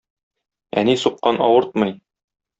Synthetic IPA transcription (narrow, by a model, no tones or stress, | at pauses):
æ̰nisuqːɑnɒwɤɾt̪̚mɤj